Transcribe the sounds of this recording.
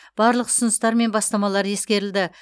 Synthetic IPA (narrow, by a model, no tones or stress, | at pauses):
b̥ɑɾlˠəqʊ̥sʊnəst̪ɑɾme̞nbɑst̪ɑmɑlˠɑɾje̞skʲe̞ɾɪld̪ɪ